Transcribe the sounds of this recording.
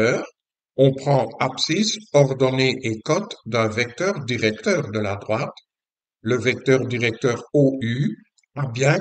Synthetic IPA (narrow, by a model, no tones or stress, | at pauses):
œːʁ | ɔ̃pχɑ̃apsisɔʁd̪ɔneʔekɔt̪d̪ɛ̃vɛk̚t̪œʁd̪iʁɛk̚t̪œːʁd̪əlad̪ʁwat̪ | ləvɛk̚t̪œːʁd̪iʁɛk̚t̪œːʁoy | abjɛ̃